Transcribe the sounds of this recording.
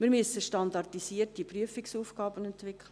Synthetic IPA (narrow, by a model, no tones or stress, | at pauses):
mɪɾmysːəʃtɑnd̪ɑrtisiərtipryəfiksuːfɡ̥ɑːbənɛntʋɪkχlə